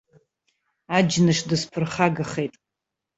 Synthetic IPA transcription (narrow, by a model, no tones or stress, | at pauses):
ad͡ʒnɨʂdɨspʰɨrχaɡaχe̞jtʼ